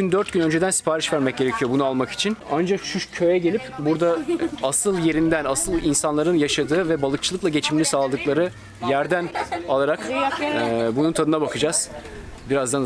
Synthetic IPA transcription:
ynd̪øɾt̪̚ɟynø̞nd͡ʒe̞d̪ænsi̥pʰaːɾiʃvæɾmɛc̚ɟeɾecʰijo̞bunualˠmaki̥t͡ʃʰinand͡ʒakʃuʃcʰø̞jɛɟe̞lʲipbuɾd̪aasɯlˠje̞ɾind̪ænasɯlˠinsanlˠaɾɯnjaʃad̪ɯːvɛbalˠɯk̚t͡ʃʰɯlˠɯklˠaɟe̞t͡ʃʰiminʲisaːlˠad̪ɯklˠaɾɯ | jæɾd̪ænalˠaɾakː | bununt̪ʰad̪ɯnabakʰɯd͡ʒaz̥ | biɾazd̪an

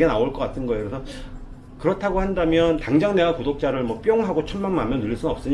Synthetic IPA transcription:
enaoɭk͈ʌk͈atʰɯnɡʌekɾesʰʌ | kɯɾʌtʰaɡohandamjʌntaŋd͡ʑaŋnewakodok̚t͡ɕ͈aɾɯɭmwʌp͈joŋɦaɡot͡ɕʰʌnmaŋmamjʌnːuʎːiɭs͈unɯnʌp̚s͈ɯɲ

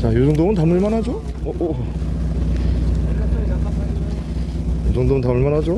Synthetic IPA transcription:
t͡ɕajosʰoŋdomɯnt̪amuɭmanɦad͡ʑo | ʌʔo | josʰoŋd̪omɯnt̪amuɭmanɦad͡ʑo

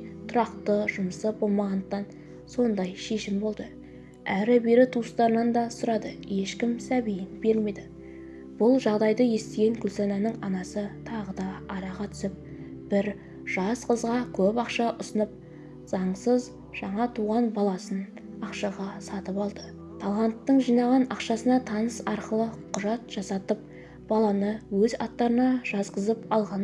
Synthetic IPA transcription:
t̪ʰʊɾɑqt̪əʒʊməsəbo̞lˠmɑʁɑnd̪əqt̪ːɑn | so̞nd̪ɑjʃe̞ʃɪmbo̞lˠd̪ə | æɾɪbe̞ɾɪt̪ʰust̪ɑɾənɑnd̪ɑsʊɾɑd̪əje̞ʃkʲɪmsæbejɪnb̥e̞ɾme̞d̪ɪ | b̥ʊlˠʒɑʁd̪ɑjd̪əje̞st̪eɡʲe̞ŋkʲʰʏlsɑnɑnəɴɑnɑsət̪ʰɑʁəd̪ɑːɾɑʁɑt̪ʰʏ̥sɪp̚b̥ɪɾ | ʒ̥ɑsqəzʁɑkʲʰɵpɑqʃɑʔʊsənəp̚ | z̥ɑɴsəz | ʒ̥ɑɴɑt̪ʰuʁɑnbɑlˠɑsən | ɑqʃɑʁɑsɑt̪əpɑlˠd̪ə | t̪ʰɑlˠɑnt̪ːəɴʒijnɑʁɑnɑqʃɑsənɑt̪ʰɑnəsɑɾqəlˠəqʰʊʒɑt̪ʒ̥ɑsɑt̪əp̚ | b̥ɑlˠɑnəwɵzɑ̰t̪ːɑɾənɑʒ̥ɑzqəzəpɑlˠʁɑn

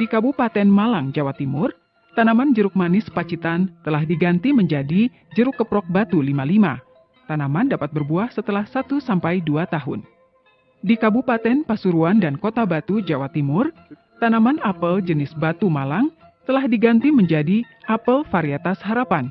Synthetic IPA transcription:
dikabupat̪ɛnmalaŋd͡ʒawat̪imʊr | t̪anamand͡ʒəɾʊk̚manɪspat͡ʃit̪ant̪əlahdiɡant̪iməɲd͡ʒadi | d͡ʒəɾʊkːəpɾɔk̚bat̪ulimalima | t̪anamandapat̪̚bərbuahsət̪əlahsat̪usampajduat̪aɦʊ̰n | dikabupat̪ɛnpasuɾuandankot̪abat̪ud͡ʒawat̪imʊr | t̪anamanapəld͡ʒənɪsbat̪umalaŋ | t̪əlahdiɡant̪iməɲd͡ʒadi | ʔapəlfaɾiat̪asɦaɾapan

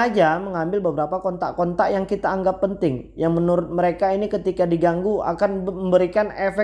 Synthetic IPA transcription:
ad͡ʒaməŋambɪlbəbəɾapakɔnt̪a̰ʔkɔnt̪aʔjaŋkit̪aːŋɡapːənt̪ɪŋjaŋmənuɾʊt̪̚məɾekainikət̪ikadiɡaŋɡua̰kanməmbəɾikanɛfɛ

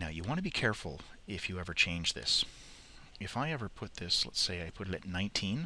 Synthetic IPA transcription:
naʊjɨwɑ̃nɨbikʰɛɹfl̩ˠɪfjɨɛvə˞t͡ʃʰẽɪ̃nd͡ʒðɪ̰s | ɨfaɪɛvə˞pʰʊt̪̚ðɪslɛ̰tseɪaɪpʰʊɾɨɾɨtⁿnãɪ̃ntʰĩn

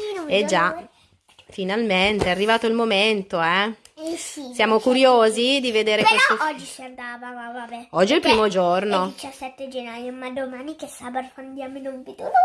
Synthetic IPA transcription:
ined͡ʒa | finalment̪eɛarːivaːt̪oilmoment̪oɛ | sisjaːmokuɾjoːzid̪ived̪eːɾekweoɔd͡ʒːisiand̪aːvavavabɛɔd͡ʒːiɛlpɾiːmod͡ʒornod̪it͡ʃasːɛt̪ːed͡ʒenːaːjomad̪omaːnikesaːbat̪o̥and̪jaːmoinompet̪u

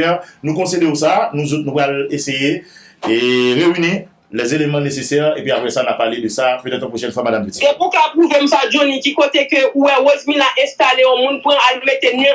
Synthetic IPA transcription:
ɛnũkɔ̃sed̪eusanũzot̪̚nũpaleseje | ʁeyni | lɛzelemɑ̃nesesɛʁḛpɥiapʁɛsanapːaʁled̪əsapødɛ̃t̪ãpoʃɛnfwamadampetĩ̥epukapʁuvem̩sad͡ʒonĩkikot̪ekøuwɛwozmĩnaʔɛ̃st̪aleɔ̃mũnpʁãalmet̪enɛ̃

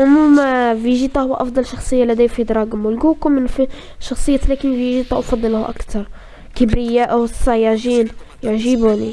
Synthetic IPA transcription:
ʕʊmumviʒit̪ˤɑhʊwːʔɑfd̪ˤɑlʃɑxsˤɨjːalæd̪æjfid̪ɾˤɑɡamwʊlɡukumɪnfi | ʃɑxsˤɨjːat̪lækimviʒit̪ˤɑʔwfɑd̪ˤːɑlhʔa̰kt̪ɑɾˤ | kəbɾɪjːaʔwsˤːɑjaʕʒiːn | jaʕʒibuni

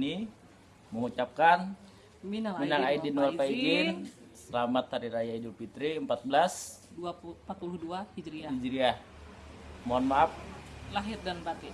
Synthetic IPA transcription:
ni | məŋut͡ʃap̚kan | minaŋminaŋaidinalaiɡin | səlamat̪haɾiɾajaidulpit̪ɾiəmpat̪̚bəlas | duampat̪̚puluhduahid͡ʒɾiaid͡ʒɾia | moɔnmaap̚laɦirdanbat̪i

